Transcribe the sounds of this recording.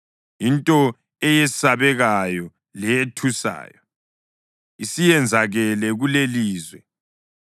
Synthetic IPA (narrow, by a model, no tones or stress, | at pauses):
jintʼɔ | ɛjɛsaβɛɣajɔ | lɛjetʰusa̰ːjɔ | isijɛnd͡zʱaɣɛlɛɣuleliːzwɛ